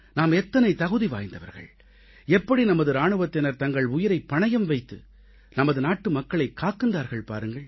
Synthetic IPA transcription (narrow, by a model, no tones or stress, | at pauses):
naːmɛt̪ːɐnɐɪt̪ɐɣɯðiʋa̰ːjnd̪ɐʋɐ̰ɾɣɐ̰ɭ | ɛpːɐɽinɐmɐðɯɾaːɳɯʋɐt̪ːɪnɐɾt̪ɐŋɡɐɭʊjɪɾɐɪpːɐɳɐjɐmʋɐɪt̪ːɯ̰ | nɐmɐðɯnaːʈːɯmɐkːɐɭɐɪkːaːkːɯnd̪aːɾɣɐɭpa̰ːɾɯŋɡɐɭ